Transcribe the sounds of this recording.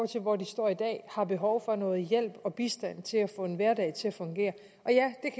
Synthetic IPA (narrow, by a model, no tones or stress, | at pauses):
t͡sʰe̝lʋɒd̥isd̥ɒɐ̰id̥ɛ̰ːhɑ̈b̥e̝ɦɒʊfɒ̽nɔ̽ːð̩ˠjel̰b̥ɒ̽b̥isd̥æn̰t͡sʰe̝læfɔ̰̽ːe̝nʋæɐdɛ̰ɪt͡sʰe̝læfɔ̽ŋɡ̥e̝̰ːɐ | ʔɒ̽jæd̥e̝kʰ